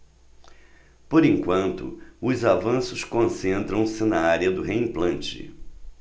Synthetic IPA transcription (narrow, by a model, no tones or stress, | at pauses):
poɾẽŋkwɐ̃nt̪ʊ̰ʊzavɐ̃sʊskõsẽnt̪ɾɐ̃w̃sɪnɐaɾiɐd̪ʊɦeĩplɐ̃nt͡ʃɪ̰